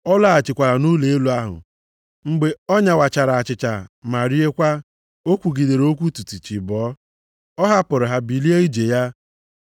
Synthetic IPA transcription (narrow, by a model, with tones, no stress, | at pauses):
ɔ˦la˦˨a˨t͡ʃɪ˨kʷa˨ɾa˨nu˦le˨e˦lu˨a˦ɦʊ̰˨ | ŋ͡m̩˦ɡ͡be˦ɔ˦ɲa˦˨wa˨t͡ʃa˨ɾa˨a˨t͡ʃɪ˨t͡ʃa˨ma˨ɾi˦e˦kʷa˦ | o˦kʷu˨ɡi˨de˨ɾo˦kʷu˦tu˨ti˨t͡ʃi˨bɔː˨˦ | ɔ˦ɦa˦pʊ˨ɾʊ˨ɦa˦bi˨li˦e˦i˦d͡ʒe˨ja˦